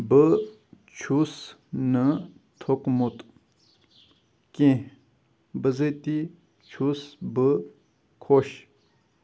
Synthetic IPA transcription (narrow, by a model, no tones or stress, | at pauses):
bə | t͡ʃʰusnə | t̪ʰokmut̪ | kẽ | bəzət̪i | t͡ʃʰusbə | kʰoɕ